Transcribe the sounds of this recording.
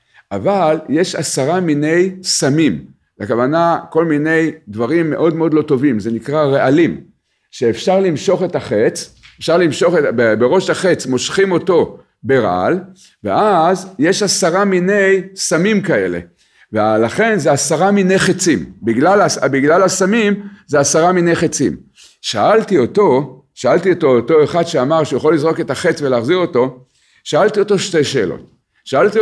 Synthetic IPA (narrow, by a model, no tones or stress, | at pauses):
ʔavalje̞ʃa̰saʁamine̞jsamim | lekavanako̞lmine̞jd̪vaʁimːe̞̰ʔo̞d̪meod̪lot̪o̞vimze̞nikʁaʁeʔalim | ʃeːfʃaʁlimʃo̞χe̞taχe̞t͡sefʃaʁlimʃo̞χetabebeʁo̞ʃhaχe̞t͡smo̞ʃχimo̞to̞ | beʁa̰a̰l | vḛʔazje̞ʃasaʁamine̞jsamimkae̞̰le̞̰ | vealaχe̞nzeasaʁamine̞jχet͡simbiɡlalabiɡlalasamimzeasaʁamine̞jχet͡sḭm | ʃaaltio̞to̞ | ʃaalt̪ioto̞oto̞eχad̪ʃeamaʁʃujaχolːizʁo̞ke̞taχet͡sveleːχziʁo̞to̞ | ʃaalt̪io̞to̞ʃte̞jʃeːlo̰t̚ | ʃaalt̪i